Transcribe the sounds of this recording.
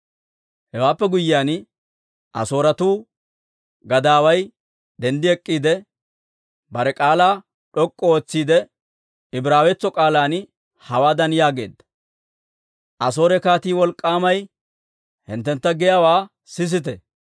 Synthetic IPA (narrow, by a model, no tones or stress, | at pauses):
hɛwaːpːɛɡʊjːɪjaːn | ʔɐ̰so̞ːɾɐt̪uː | ɡɐd̪aːwɐj | d̪ɛnd̪ɪɛkʼːiːd̪ɛ | bɐɾɛkʼaːlaː | ɗɔkʼːɔoːt͡sːiːd̪ɛ | ɪbɾaːwɛt͡sːɔkʼaːlaːn | hɐwaːd̪ɐnjaːɡe̞̰ːd̪ːɐ̥ | ʔɐso̞ːɾɛkaːt̪iːwɔlkʼːaːmɐj | hɪ̰nt̪ːɛnt̪ːɐɡɛjaːwaː | sɪs̬ɪt̪ɛ